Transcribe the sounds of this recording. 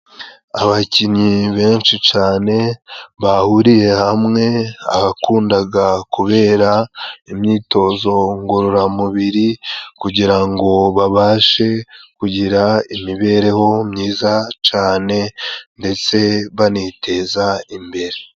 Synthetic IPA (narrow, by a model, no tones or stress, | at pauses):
a̰βaciɲiβe̞ːnʃit͡ʃaːne̞βahuɾije̞hamŋe̞a̰βakuːndaɡakuβe̞ːɾaimɲiːto̞zo̞ŋɡuɾuɾamuβiɾikuɟiɾaŋɡo̞βaβaːʃe̞kuɟiɾaimiβe̞ɾe̞ho̞mɲiːzat͡ʃaːne̞nde̞t͡se̞βanitʰe̞zaimbe̞ɾe̞